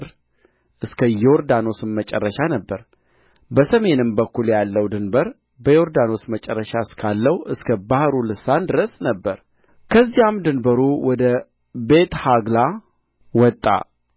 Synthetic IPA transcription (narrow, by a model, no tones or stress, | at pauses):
ɾ | ʔɨskʰəjoɾd̪ano̞sɨmmət͡ʃʼɛ̰rːəʃanəbːəɾ | bəsəme̞nɨmbəkːuljalːəwd̪ɨnbəɾ | bəjo̞ɾd̪ano̞smət͡ʃʼɛrːəʃaɨskʰalːəwʔɨskʰəbahɾulɨsand̪ɨɾəsnəbːəɾ | kʰəzːijamd̪ɨnbəɾuwɔd̪ə | be̞t̪haɡla | wɔt̪ʼːa̰